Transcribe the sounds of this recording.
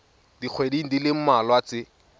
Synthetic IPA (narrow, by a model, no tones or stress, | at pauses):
d̥ik͡xʰwediŋ̩dilɪm̩malwat͡sɪ